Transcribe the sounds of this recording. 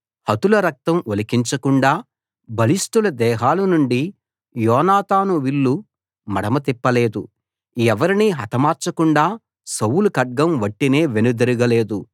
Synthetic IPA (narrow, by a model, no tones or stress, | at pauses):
hɐt̪ulɐɾɐk̚t̪ɐmolikiɲt͡ʃɐkuɳɖaː | bɐlisʈulɐd̪ɛːɦaːlɐnuɳɖi | jɔːnaːt̪aːnuʋiɭːu | mɐɽɐmɐt̪ipːɐle̞ːd̪u | ɛʋɐɾiniɦɐt̪ɐmaːɾt͡ʃɐkuɳɖaː | sɐwulukɐɖ̚ɡɐmʋɐʈːine̞ːʋenud̪ɐɾuɡɐle̞ːd̪u